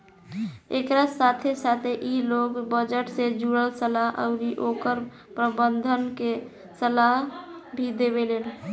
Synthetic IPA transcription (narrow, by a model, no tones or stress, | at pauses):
ekɾasat̪ʰesat̪ʰeʔiloɡbəd͡ʒəʈsed͡ʒuɽəlsəlaɦə̰ʊɾiʔokəɾ | pɾəbənd̪ʱənke | səlaɦbʱid̪ebelen